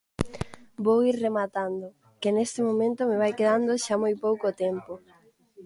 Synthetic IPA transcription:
bowiɾremat̪and̪ʊ | kɪnest̪ɪmomẽnt̪ʊmɪβajkeðand̪ʊʃamojpowkot̪ɛmpo

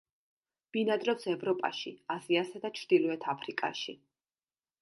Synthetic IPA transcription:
b̥inad̪ɾɔpsɛvɾɔpʼa̰ʃiaziasad̪at͡ʃʰɾd̪̥ilɔɛt̪ʰapʰɾikʼa̰ʃḭ

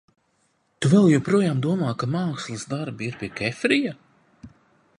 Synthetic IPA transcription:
t̪uvɛlˠjɔpɾuɔjaːmd̪uɔmaːkamaːkslˠɨzd̪aɾbiiɾpʲiɛkʲɛfɾija

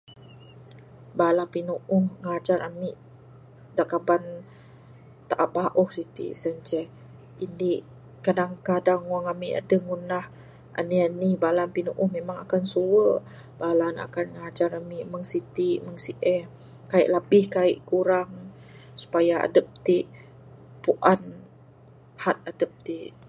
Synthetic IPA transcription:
balahpinuʔʊhŋad͡ʒaɾamiʔ | daʔkaban | t̪aʔaʔbaʔuhsit̪ḭʔsənt͡ʃɛh | indiʔ | kadaŋkadaŋwaŋamiʔa̰dəŋunah | ʔa̰nianibalanpinuʔʊhmemaŋakansuwə | balana̰kanŋad͡ʒaɾamiʔməŋsit̪iʔməŋsiʔɛh | kaḭʔlabɪhkaiʔkuɾaŋ | su̥pajaa̰dəp̚t̪iʔ | puʔan | hat̪̚adəp̚t̪iʔ

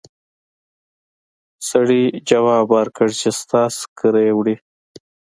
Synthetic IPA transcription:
sɐɽid͡ʒɐwaːbɑːɾkəɽt͡ʃest̪ɑːskəɾeːwɽi

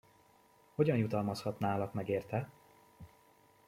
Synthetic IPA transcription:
ho̞ɟɒnjut̪ɒlmɒshɒt̪naːlɒkmɛɡeːrt̪ɛ

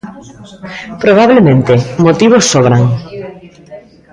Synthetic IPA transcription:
pɾoβaβ̞lemẽnt̪emot̪iβ̞osːoβɾaŋ

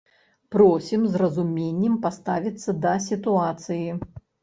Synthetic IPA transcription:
pɾɔsʲimzrɐzumʲenʲːɛmpast̪avʲit̪sːɐd̪ɐsʲit̪uat̪sɨji

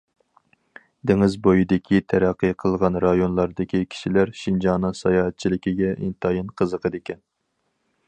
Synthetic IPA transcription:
d̪ɪŋɪzbojid̪ɪkʲʰit̪ʰæɾæqʰːɨjqʰəlˠʁɑnɾɑjonlˠɑɾd̪ɨkʲikʲʰi̥ʃilæɾʃind͡ʒɑnɨŋsɑjɑːɦɛt̪̚t͡ʃʰilɪkʲiɡʲɛʔḭnt̪ʰɑjinqʰəzəqʰəd̪ekʲɛn

